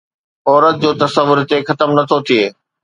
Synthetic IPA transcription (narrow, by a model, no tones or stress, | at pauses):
ɔːɾət̪̚d͡ʑoːt̪ɐsəʋːʊɾt̪exɐt̪əmnɐt̪ʰot̪ʰieː